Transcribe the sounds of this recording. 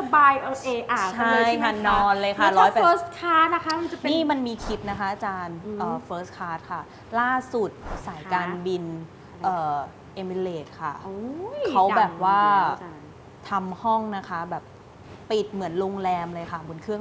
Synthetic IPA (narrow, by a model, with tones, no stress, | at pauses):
sbaː˧jʔo˧ʔeː˧ʔaː˨˩t͡ɕʰa˥˩˧jkʰa˥˩nɔː˧nlɤː˧jkʰa˧˥˩lɔː˧˦˥jpɛ˨əː˦˥skʰaː˦˥t̪̚na˦˥kʰa˦˥ma˧t͡ɕa˨niː˥˩ma˧nmiː˧kʰi˦˥t̪̚na˦˥kʰa˦˥ʔa˧t͡ɕaː˧nʔɤː˨˩fʰɤː˦˥skʰaː˦˥t̪̚kʰa˥˩ | laː˥˩su˨˩t̪̚sa˩˦jkaː˧nbi˧n | ʔɤː˨˩ | ʔe˧mi˧leː˨˩t̪̚kʰa˥˩o˧kʰa˦˥wbɛː˨˩p̚waː˥˩ | t̪ʰa˧mhɔ˥˩ŋna˦˥kʰa˦˥bɛː˨˩p̚ː | i˨˩t̪̚mɯ˩˦ənloː˧ŋlɛː˧mlɤː˧jkʰa˥˩bo˧nkʰɯ˥˩əŋ